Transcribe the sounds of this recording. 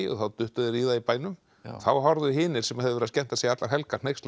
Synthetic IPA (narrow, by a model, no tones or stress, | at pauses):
ɔ̰θawt̪ʏht̪aðɪɾiːðaipaːjnʏm | θawɦɔɾðʏɦɪːnɪɾ̥sɛmahɛvðʏvɛɾðascɛn̥t̪asejat̪laɾɦɛlkḁnejkst̪